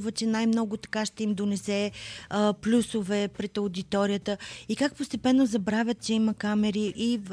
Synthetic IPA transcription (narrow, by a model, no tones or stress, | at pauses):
vət͡ʃɛnajmnɔɡot̪ɐ̥kaʃt̪ɛimd̪onɛsɛ | plʲusovɛpɾɛt̪ɐʊd̪it̪ɔɾijət̪əikak̚post̪ɛpɛnːozɐbɾavʲjət̪̚t͡ʃɛiməkamɛɾiʔi